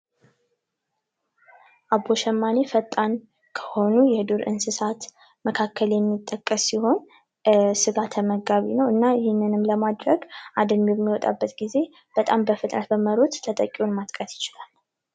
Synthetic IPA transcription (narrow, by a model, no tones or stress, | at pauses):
ʔaboʃɛmːanefət̪ʼːan | kʰə̥ho̞nujɛhɨd̪uɾɨ̰nsɨsat̪ | məkʰakːəljɛmːit̪ʼːəkʼːəsːiho̞n | sɨɡat̪ʰəməɡaβḭnəwɨnːaɪhɪnːɨnɨmləmad̪ɾəɡʔad̪əmjɛmːiwɔt̪ʼa̰bːət̪ɡize̞ | b̥ət̪ʼambəfɨt̪ʼnət̪bəməɾot̪ːʰət̪ʼəkʼːionmat̪ʼkʼət̪jɪt͡ʃɪlal